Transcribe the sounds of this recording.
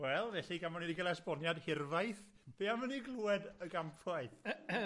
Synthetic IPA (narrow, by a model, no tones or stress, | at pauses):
wɛlˠvɛɬiɡamɔnidiɡəlˠɛsb̥ɔnjadhɪrvajθ | b̥eːaməniɡlˠuːɛdəɡampʰaɨθ